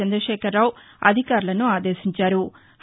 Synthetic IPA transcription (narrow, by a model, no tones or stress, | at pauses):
ɐnd̪ɾɐʃɛːkɐɾːaːw | ɐ̰d̪ʱikaːɾulɐnuaːd̪eːʃiɲt͡ʃaːɾu | h